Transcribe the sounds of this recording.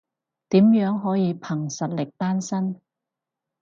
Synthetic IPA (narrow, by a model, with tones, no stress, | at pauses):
t̪iː˨˥mjœː˨˥ŋɦɔː˨˥jiː˨˧pʰɐ˨˩ŋsɐ˨t̚lɪ˨k̚t̪aː˥nsɐ˥n